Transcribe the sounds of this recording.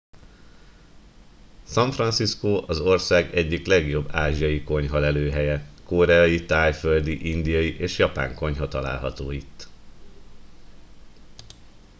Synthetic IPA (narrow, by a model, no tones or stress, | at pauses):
sɒɱfrɒnsiskoːʔɒzo̞rsaːɡɛɟːiklɛɡjo̞bːaːʒijɒjiko̞ɲɦɒlɛløːɦɛjɛkoːɾɛɒjit̪aːjføld̪iʔind̪ijɒjiʔeːʃjɒpa̰ːŋko̞ɲɦɒt̪ɒla̰ːlɦɒ̰t̪oːit̪ː